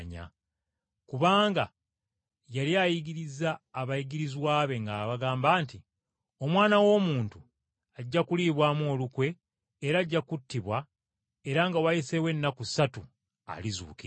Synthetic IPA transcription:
ɲa̰ | kuβaːŋɡa | jaljaːjiɡiɾizaːβajiɡiɾizwaːβe̞ŋɡaːβaɡaːmbaːnti | o̞mwaːnawo̞ːmuːntu | aɟːakuliːβwaːmo̞ːlukwe̞ː | ɾaːɟːakutːiβwa | e̞ɾaŋɡawajise̞we̞nːakusatu | a̰lizṵːki

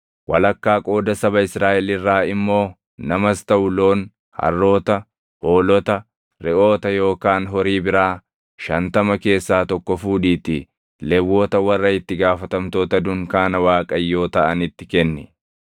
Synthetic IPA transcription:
wɐlɐkːaːkʼo̞ːd̪ɐsɐbɐɪsɾaːʔɛlɪrːaːɪmːo̞ː | nɐmɐst̪ɐʔʊlo̞ːn | hɐ̰rːo̞ːt̪ɐ | hoːlɔt̪ɐ | ɾɛʔo̞ːt̪ɐjo̞ːkaːnɦɔɾiːbɪɾaː | ʃɐnt̪ɐmɐke̞ːsːaːt̪ɔkːɔfuːᶑiːt̪ɪ | lɛwːo̞ːt̪ɐwɐrːɐɪt̪ːɪɡaːfɐt̪ɐmt̪o̞ːt̪ɐd̪ʊŋkaːnɐwaːkʼɐjːo̞ːt̪ɐʔɐnɪt̪ːɪkɛnːɪ

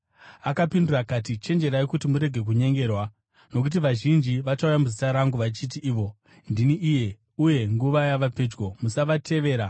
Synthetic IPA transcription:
akapindurakat̬it͡ʃe̞nd͡ʒe̞ɾaekutimuɾe̞ɡʱe̞k̬uɲe̞ŋɡe̞ːrwa | no̞k̬ut̬iʋaʒind͡ʒiʋat͡ʃaujamuzitaɾaŋɡuʋat͡ʃitiʔiːʋo̞ | ndiniʔije̞ | uje̞ŋɡuʋajaʋaped͡ʒɡo̞musaʋatʰe̞ʋe̞ːɾa

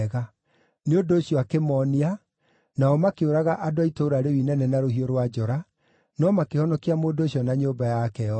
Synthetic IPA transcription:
ɣa | neodoːɕijɔakemɔnia | naɔmakeoɾaɣaʔadoaitoɾaɾewinɛnɛnaɾoɦioɾwad͡ʑɔɾa | nɔmakehɔnɔkiamoːdoːɕiɔnaɲoːbajakɛɔ

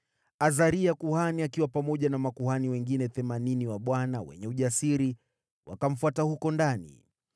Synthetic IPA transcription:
azaɾiakuhaniakiwapamɔʄanamakuhaniwɛŋɡinɛθɛmaniniwaɓwanawɛ̰ɲɛuʄasiɾi | wʔa̰kam̩fuatahukɔndanḭ

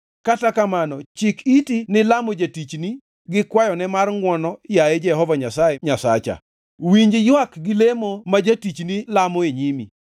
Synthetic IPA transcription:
katakamanɔt͡ʃɪkitinɪlamod͡ʒatit͡ʃni | ɡɪkwajɔnɛmarŋwɔnɔjaed͡ʒɛɦɔvaɲasajeɲasat͡ʃa̰ | wiɲd͡ʒjwakɡɪlemomad͡ʒatit͡ʃnilamoeɲimḭ

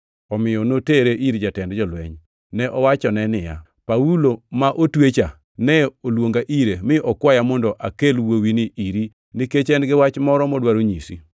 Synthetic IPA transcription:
ɔmɪjɔnoteɾeʔiɾd͡ʒatɛndd͡ʒɔlwɛ̰ɲ | nɛʔɔwat͡ʃɔnɛnɪja̰ | pawulomaʔotwet͡ʃa | nɛolwoŋɡaʔiɾemɪʔɔkwajamɔndɔʔakelwowinɪiɾi | niket͡ʃɛnɡɪwat͡ʃmɔɾɔmɔdwaɾoɲisḭ

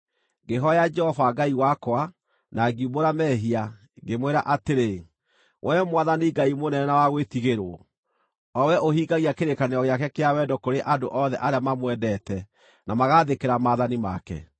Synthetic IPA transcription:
ɡeɦɔjad͡ʒɛhɔvaɡaiwakwa | naɡiuboɾamɛɦia | ɡemweɾaʔateɾe | wʔɛmwaðaniɡaimonɛɛnawaɣwetiɣeɾo̰ | ɔwɛʔohiɡaɣiakeɾekaneɔɣeakɛkeawɛdɔkoɾeʔadoʔɔðɛʔaɾeamamwɛdɛtɛ | namaɣaðekeɾamaːðanima̰kɛ̰

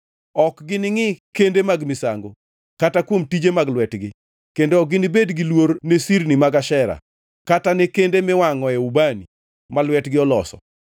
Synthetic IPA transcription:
ɔkɡɪnɪŋɪkendemaɡmɪsa̰ŋɡo | katakwomtid͡ʒemaɡlwɛtɡɪ | kendoɔk̚ɡɪnɪbedɡɪlwoɾnesiɾnimaɡaʃɛɾa̰ | katanekendemɪwaŋɔɛubani | malwɛtɡɪɔlɔsɔ̰

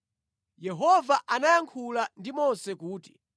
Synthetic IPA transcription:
jɛɦɔvaʔanajaŋkʰulandimɔnsɛkuːti̥

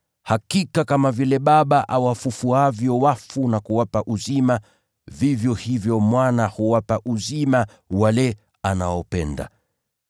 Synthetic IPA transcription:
hakikakamavilɛɓaɓaʔawafufuavjɔwafunakuwapaʔuzima | vivjɔhivjɔmwanahuwapaʔuzima | walɛ | anaɔpɛ̰nda̰

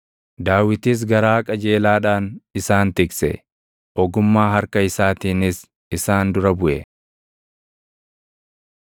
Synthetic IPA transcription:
d̪aːwɪt̪iːs̬ɡɐɾaːkʼɐd͡ʒe̞ːlaːᶑaːnɪsaːnt̪ɪksɛ̰ | ʔɔɡʊmːaːɦɐɾkɐɪsaːt̪iːnɪs | ɪsaːnd̪ʊɾɐbʊʔɛ

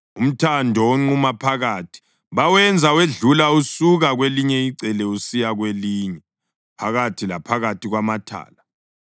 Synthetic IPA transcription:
um̩tʰandʱɔoŋ͡ǃumapʰaɣaːtʰi̥ | βawɛnd͡zʱaweɮulausuɣaɣweliɲɛiǀɛlɛusijaɣweliːɲɛ | pʰaɣatʰilapʰaɣatiɣwamatʰa̰ːla

